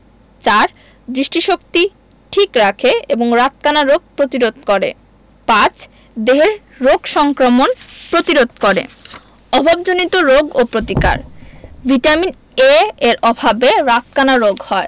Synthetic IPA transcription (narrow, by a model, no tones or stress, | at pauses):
t͡ɕaɾ | d̪ɾiʃʈiʃokt̪i | ʈʰikɾakʰeeboŋɾat̪̚kanaɾoɡ̚pɾot̪iɾod̪̚koɾḛ | pãt͡ɕ | d̪eɦeɾː | oɡʃɔŋkɾomonpɾot̪iɾod̪ʱkoɾḛ | ɔbʱab̚d͡ʑonit̪oɾoɡopɾot̪ika̰ɾvʱiʈamin | eeɾʔɔbʱabeɾat̪̚kanaɾoɡhɔe